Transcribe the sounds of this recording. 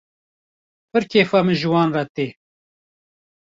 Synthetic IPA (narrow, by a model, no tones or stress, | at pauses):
pɨɾkʰeːfamɨnʒɨwɑːnrɑt̪eː